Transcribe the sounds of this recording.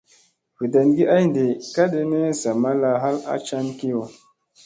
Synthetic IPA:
vi˨da˨nɡi˦a˦jnde˨ka˦ɗe˦ne˦za˨ma˦la˧˦ɦa˦la̰˦t͡ʃa˦nki˦o˨

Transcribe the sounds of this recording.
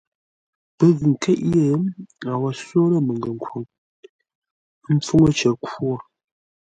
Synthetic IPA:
pə˦ɣɯ˨ŋ̩˨kʰe˦ʔe˦˨˦a˨wa˨so˦lə˦mə˨ŋɡə˨ŋ˨kwu˨ŋ˦ | m̩˦p͡fo˦ŋə˦t͡ʃə˨kwo˦˨

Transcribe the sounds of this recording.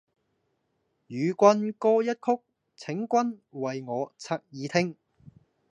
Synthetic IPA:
jyː˨˧kʷɐ˥nkɔː˥jɐ˥t̚kʰʊ˥k̚ | t͡sʰɪ˨˥ŋkʷɐ˥nwɐ˨jŋɔː˨˧t͡sʰaː˧k̚jiː˨˧t̪ʰɪ˥ŋ

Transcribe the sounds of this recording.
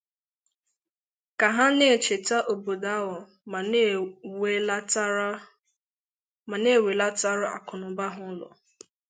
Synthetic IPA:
ka˨ɦa˦ne˦e˨t͡ʃe˨ta˦ʔo˨bo˨da˦wɔ˨˦ | ma˨ne˦˨we˨la˦ta˦ɾʊ˦a̰˨kʊ˨nʊ˨˦ba˦ɦʊ˦lɔ̰˨

